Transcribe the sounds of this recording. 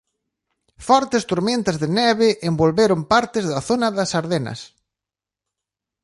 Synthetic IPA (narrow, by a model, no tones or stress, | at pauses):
fɔɾt̪ɪst̪oɾmẽnt̪ɐzðɪnɛβɪʔembolβeɾompaɾt̪ɪzðɐθonɐðɐsaɾðenɐ̰s